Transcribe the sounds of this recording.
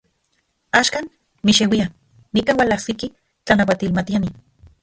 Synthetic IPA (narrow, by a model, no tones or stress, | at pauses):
aːʃkan | miʃewia | nikaːnwalahsiki | t͡ɬanawat̪ilmat̪iani